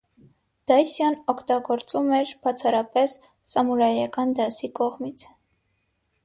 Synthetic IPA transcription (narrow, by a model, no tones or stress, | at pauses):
d̪̥ɑjsjɑnɔkʰt̪ɑɡɔɾt͡sumɛɾb̥ɑt͡sʰɑɾɑpɛsː | ɑmuɾɑjɑkɑnd̪ɑsikɔʁmit͡sʰ